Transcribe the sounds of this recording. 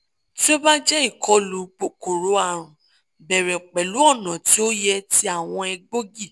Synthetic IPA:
ti˦o˦ba˦d͡ʒɛ˦i˦˨kʰɔ˧˦lu˨˦k͡po˨ko˨ɾo˨˦a˦˨ɾ̃ũ˨ | bɛ˨ɾɛ˨k͡pɛ˨lu˨˦ɔ˦˨nã˨ti˨˦o˦jɛ˧ti˦a˦˨w̃ɔ̃˧ɛ˧ɡ͡bo˦ɡi˦˨

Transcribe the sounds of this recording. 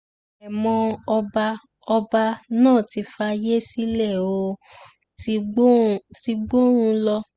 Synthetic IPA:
ɛ˨mɔ̃˧ba˧ | ɔ˧ba˧nãː˦˨ti˨˧fa˧je˦si˦lɛ˦˨o˧˦ | ti˧ɡ͡bo˦ɾũ˧lɔ˧

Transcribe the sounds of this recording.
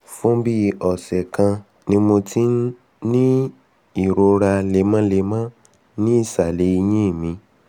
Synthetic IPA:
fũ˦bi˦˧ɔ˨sɛ˨kã˧ | nĩ˧mo˧ti˦n˦ | nĩ˦ | i˦˨ɾo˧ɾa˧le˧mã˦le˧mã˦ | nĩ˦i˦˨sa˨le˨˦i˧j̃ĩ˦i˦˨mĩ˧

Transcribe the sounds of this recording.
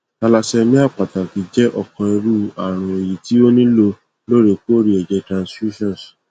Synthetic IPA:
ta˧la˧sɛ˧mĩ˦a˦˨k͡pa˨ta˨ki˨˧d͡ʒɛ˦ʔɔ˦˨kɔ̃˧i˧ɾu˦a˨ɾ̃ũ˧e˨ji˨ti˦o˦nĩ˦lo˧ | lo˦˨ɾe˧ku˦o˦ɾi˦ɛ˨d͡ʒɛ˧tɾã˨nsfu˦ʃɔ̃˦˨n˨s

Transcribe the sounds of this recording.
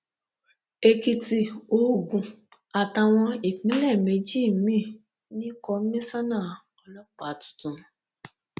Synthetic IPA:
e˧ki˧ti˧o˦˨ɡũ˨ | a˨ta˧w̃ɔ̃˧i˨k͡pĩ˨˦lɛ˦˨me˨˦d͡ʒi˦˨mĩ˦˨ | nĩ˦kɔ˧˦mĩ˦sa˦nã˦˨ | ɔ˧lɔ˦k͡pa˨tu̥˨tũ˨˦

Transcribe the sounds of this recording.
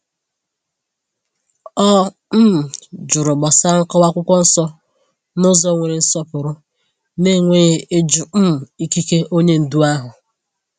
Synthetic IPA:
ɔ˦ | m̩˦m˨d͡ʒʊ˨ɾʊ˨ɡ͡bɔ˨sa˦ŋ̩˦kɔ˦wa˦kʷʊ˦kʷɔ˦n̩˦sɔ˦ | nʊ˦zɔ˦ŋʷe˨ɾe˨n̩˦sɔ˦pʊ˨ɾʊ˦ | ne˦˨ŋʷe˦ɣe˦e˦d͡ʒʊ˨m̩˦˨i˦ki˦ke˦ʔo˦ɲe˦n̩˨du˦a˦ɦʊ˨

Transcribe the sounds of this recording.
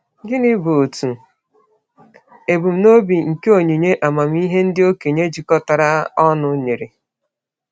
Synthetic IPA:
ɡɪ˦nɪ˦bu˨o˨tu˨ | e˨bu˨m̩˦no˦bi˨ŋ̩˨ke˦o˦˨ɲi˨ɲe˦ʔa˨ma˨m̩˦i˦ɦe˦n̩˦dɪ˦o˦ke˨ɲe˦d͡ʒi˨kɔ˦ta˨ɾa˦ɔ˦nʊ˦ɲe˨ɾe˨

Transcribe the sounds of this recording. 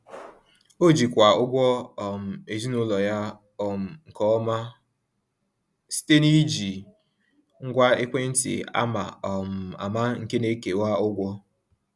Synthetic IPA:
o˦d͡ʒi˨kʷa˨ʊ˦ɡʷɔ˦ɔ˨m̩˨e˨zi˦nʊ˦lɔ˨ja˦ | ɔ˨m̩˨ŋ̩˨kɔ˦ɔ˦ma˦ | si̥˦te˦ni˦d͡ʒi˨ | ŋ̩˦ɡʷa˦ɪ˦kʷe˦n̩˦tḭ˨a̰˦ma̰˨ɔ˨m̩˨a̰˨ma˦ŋ̩˨ke˦ne˦ke˨wa˦ʊ˦ɡʷɔ˦

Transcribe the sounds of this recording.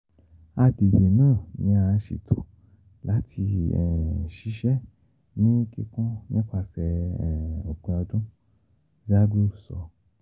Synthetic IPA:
a˧de˨be˨nũː˦˨nĩ˨˦a˧ʃḭ˨tʰo˨˦ | la˨˦tʰi˧ɛ˨ʃi˧˦ʃɛ˦ | nĩ˦ki˧kũ˦nĩ˦kʷa˧˨sɛ˨ | o˨k͡pɛ̃˧ɔ˧dũ˦ | za˦ɡu˦˨sɔ̰˨˧

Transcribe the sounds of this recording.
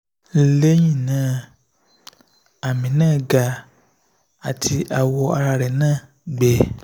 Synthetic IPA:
le˦ɲĩ˦˨nã˦ | a˨mĩ˨nãː˦˨ɡa˧ | a˨tʰi˧ʔa˨wɔ˧a˧ɾa˧ɾɛ˨nãː˦˨ | ɡ͡be˨

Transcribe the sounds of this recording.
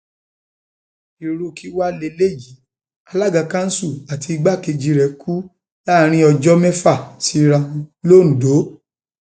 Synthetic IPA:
i˨ɾu˨˧˨ki˦wa˦le˧le˦˨d͡ʒi˨˦ | a˧la˦ɡa˧kã˦n̩˦su˦˨a˨ti˧ɡ͡ba˦˨ke˧d͡ʒi˧ɾɛ˨kʰu˦ | la˦˨ɾ̃ĩ˦ɔ˧d͡ʒɔ˦mɛ˦fa˦˨ti˧˦ɾã˧lo˦˨n̩˨do˨˦

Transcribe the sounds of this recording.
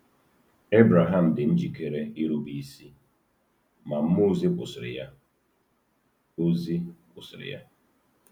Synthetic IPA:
e˦bɾa˨ɦa˦m̩˨dɪ˨n̩˦d͡ʒi˨ke˨ɾe˦i˦ɾu˦bi˦si˦ | ma˨m̩˦mo˦zi˦pʊ˨sɪ˨ɾɪ̰˨ja˦ | o˦zi˦pʊ˨sɪ˨ɾɪ̰˨ja˦

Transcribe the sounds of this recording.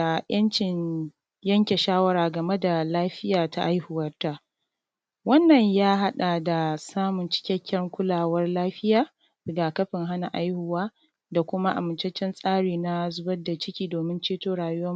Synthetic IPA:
a˨jɐ˦nt͡ʃɪ˨ɲ | jɐ˦ŋkʲe˨ʃaː˦wɐ˦ɾaː˨ɡɐ˨me˦da˨laː˦ɸɪ˦jaː˨ta˦ʔa˦jhʊ˨wɐ˦rta˦ | wɐ˦nːɐ˨ɲjaː˦ɦa˦ɗa˨da˨saː˦mʊ˨nt͡ʃɪ̥˦kʲɛ˦kʲːɐ˦ŋkʷʊ˦laː˨wɐ˦rlaː˦ɸɪ˦jaː˨ | dɐ˨ɡa˨kɐ˦ɸɪ˨ŋɦa˦na˨ʔa˦jhʊ˨waː˦ | da˨kʷʊ˦ma˦ʔa̰˨mʊ˨nt͡ʃe˦t͡ʃɛ˦nsʼaː˦ɽiː˨na˦zʊ˦bɐ˦da˨t͡ʃɪ˦kʲiː˦doː˨mɪ˦nt͡ʃeː˦toː˦ɽaː˨jʊ˦wɐ˦

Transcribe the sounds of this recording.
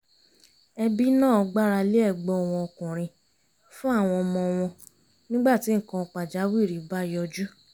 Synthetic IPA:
ɛ˧bi˦nãː˦˨ɔ˧ɡ͡ba˦ɾa˧li˦ɛ˦˨ɡ͡bɔ˧˦ɔ˨w̃ɔ̃˧ɔ˧kũ˨ɾ̃ĩ˧ | fũ˦a˦˨w̃ɔ̃˧mɔ̃˧w̃ɔ̃˧ | nĩ˦ɡ͡ba˦˨ti˨˦˨kã˧k͡pa˨d͡ʒa˨˦wi˦˨ɾi˨˦ba˦jɔ˧d͡ʒu˦

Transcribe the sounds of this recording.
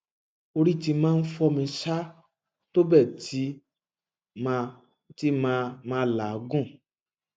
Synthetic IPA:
o˧ɾi˦˨ti˧mãː˦n̩˦fɔ˧mĩ˧ʃa˦ | to˦bɛ˦˨ti˦ | m˧ | ti˦mã˦˧mãː˦la˨˦ɡũ˦˨

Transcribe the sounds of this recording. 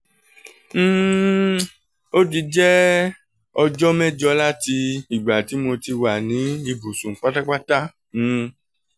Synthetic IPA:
o˦ti˧d͡ʒɛ˦ | ɔ˧d͡ʒɔ˦mɛ˦d͡ʒɔ˧la˦ti˧i˨ɡ͡ba˨ti˨˦mo˧ti˧wa˨nĩ˨˦i˧bu˨sũ˨k͡pa˦ta˦k͡pa˦ta˦˨

